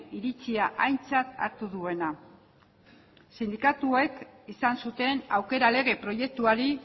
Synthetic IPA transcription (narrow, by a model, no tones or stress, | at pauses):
iɾit͡siaʔajnt͡sat̪a̰ɾt̪uðue̞na | sind̪ikat̪ue̞kisansut̪e̞nawke̞ɾale̞ɣ̞e̞pɾo̞je̞k̚t̪uaɾi